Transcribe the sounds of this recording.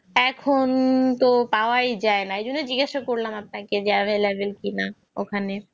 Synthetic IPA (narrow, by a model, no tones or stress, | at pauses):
ɛkʰont̪opaoajd͡ʑaenaejd͡ʑonːed͡ʑiɡeʃokoɾlamap̚naked͡ʑabʱelebʱelkina | okʰane